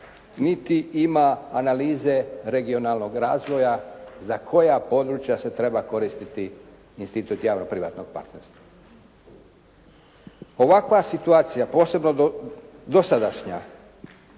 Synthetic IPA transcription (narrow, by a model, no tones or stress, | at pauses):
nit̪iʔimaːnaliːze̞ɾe̞ɡio̞nalˠno̞ɡɾaːzʋo̞jazakʰo̞japo̞d̪ɾut͡ʃjase̞t̪ɾe̞bako̞ɾist̪it̪i | inst̪it̪ut̪jaːʋnopɾiʋa̰ːt̪no̞ɡ̚pa̰ɾt̪neɾst̪ʋa | o̞ʋakʋasit̪uaːt̪sijapo̞ːse̞bno | d̪o̞sad̪aʃɲa̰